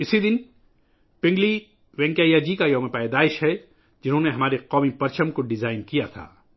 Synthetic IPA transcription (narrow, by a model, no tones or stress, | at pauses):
ɪsid̪ɪn | pɪ̃ŋɡli | ʋɛ̃ːŋkaːjad͡ʒikajɐmẽpaːjd̪aːɪʃɦɛ | d͡ʒɪnɦõːneɦɐmaːɾeqɔːmipɐɾt͡ʃəmkoɖɪzaːɪnkijat̪ʰa̰ː